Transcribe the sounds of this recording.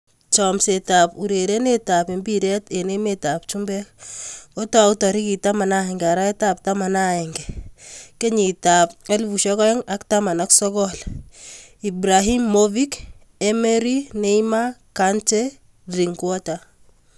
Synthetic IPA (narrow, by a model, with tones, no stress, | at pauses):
t͡ʃɔmseta˨pu˨ɾe˨ɾe˦ne˦ta˨pi˨mbiɾɛ˦te˨ne˦metap̚t͡ʃumbɛkko˦ta˦u˦tɔ˨ɾi˦ki˨ta˦ma˨na˦ɛŋɡa˨ɾa˦ɛ˦tap̚ta˦ma˨na˦ɛ˨ŋɡɛke˦ɲi˨ta˨pɛ˦lvu˨ʃɔ˦kɔ˦ɛ˦ŋa˦ktama˨na˦ksɔ˦kɔl | i˨bɾa˨ɦi˦mːovi˦k | e˦me˦ɾi˦ne˦ima˦kant͡ʃe | ɾi˨ŋkwɔ˦ta